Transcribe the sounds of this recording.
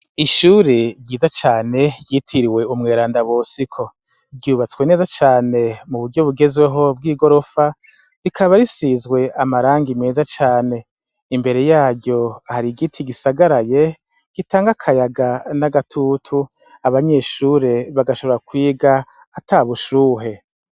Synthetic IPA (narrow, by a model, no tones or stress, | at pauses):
iʃuːɾeɟiːzat͡ʃaːne̞jiːtʰiɾiwe̞umŋe̞ːɾaːndaβoːsikʰo̞ | ɟuːβat͡swe̞ne̞ːzat͡ʃaːne̞muβuɾɟo̞βuɡe̞zwe̞ɦo̞b̚ɡiːɡo̞ɾo̞fa | ɾikʰaβaɾisizɡwe̞amaɾaːŋɡimŋeːzat͡ʃaːne̞ | imbe̞ɾe̞jaːɾɟo̞haɾiɡitʰiɡisaɡaɾaje̞ | ɡ̥itaːŋɡakʰajaɡanaɡatʰutʰu | aβaɲe̞ːʃuɾe̞βaɡaʃo̞βo̞ɾakwiːɡaː | taːβuʃuːɦe̞